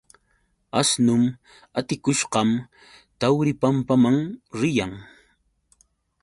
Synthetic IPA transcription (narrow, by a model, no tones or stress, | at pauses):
asnʊm | at̪ɪkʊʃqɑm | t̪awɾɪpampamaŋɾɪjaŋ